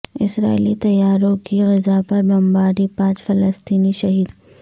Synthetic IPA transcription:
ɪsɾa̰ːɪlit̪ɐjːaːɾõkiɣɪzapɐɾbɐmbaːɾipãːt͡ʃfɐləst̪iːniʃɐɦiːd̪

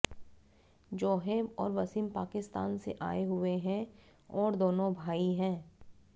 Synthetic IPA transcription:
d͡ʒoːɦeːmɔ̰ːɾʋɐsɪmpaːkɪst̪a̰ːnsḛʔa̰ːeɦʊeɦɛ̃ | ɔːɾd̪oːnõbʱaːiɦɛ̃ː

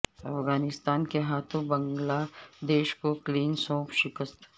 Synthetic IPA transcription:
ɐfɣaːnɪst̪aːnkeɦaːt̪ʰõbɐ̃ŋɡlad̪eːʃkokliːnsɔ̃ːpʰʃɪkəst̪

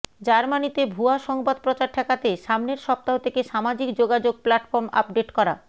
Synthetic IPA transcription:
d͡ʑaɾmanit̪ebʱuaʃɔŋbad̪̚pɾot͡ɕaɾʈʰɛkat̪eʃamneɾʃɔp̚t̪aɦot̪ʰekeʃamad͡ʑikd͡ʑoɡad͡ʑoɡ̚plaʈfoɾma̰pɖeʈkɔɾa̰

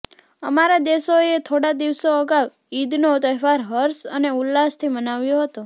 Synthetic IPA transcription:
əmaɾad̪esoet̪ʰoɽad̪iʋsoəɡaʋ | id̪not̪əɦʋaɾɦəɾsəneʊlːast̪ʰimənaʋjoɦət̪o

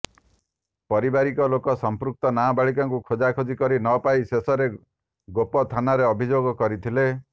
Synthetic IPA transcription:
pɔɾibaɾikɔlokɔsɔmpɾuk̚t̪ɔnabaɭikɔŋkukʰod͡ʒakʰod͡ʒikɔɾinɔpajsesɔɾe | ɡopɔt̪ʰanaɾeɔbʱid͡ʒoɡɔkɔɾit̪ʰile

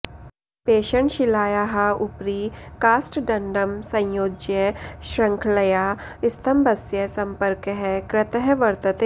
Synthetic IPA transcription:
peːʃəɳʃɪlaːjaɦɐʊpɾiːkaːsʈɖɐ̃ɳɖəmsɐ̃j̃joːd͡ʒjəʃɾɐ̃ŋkʰlɐjaː | ɪst̪ʰɐmbɐsjəsɐ̃mpəɾkɦɛkɾɪt̪əɦʋɐɾt̪ət̪e

